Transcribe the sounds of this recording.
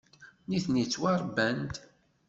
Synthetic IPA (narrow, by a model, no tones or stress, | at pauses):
niθnit͡sːwɑɾˤbænt̪